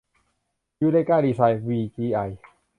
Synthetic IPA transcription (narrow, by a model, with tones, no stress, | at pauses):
juː˦˥da˥˨kaː˥˩diː˧˩saː˧jwiː˧kiː˧ʔa˧˩j